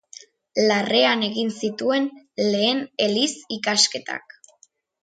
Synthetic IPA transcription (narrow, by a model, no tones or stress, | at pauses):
lare̞ane̞ɣinsit̪ue̞n | le̞ːne̞lisikaske̞t̪a̰k